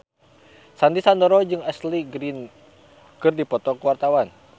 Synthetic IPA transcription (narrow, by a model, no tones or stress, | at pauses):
sandisandɔɾɔd͡ʒɨŋɛsliɡɾin | kɨrdipɔt̪ɔkəwart̪awan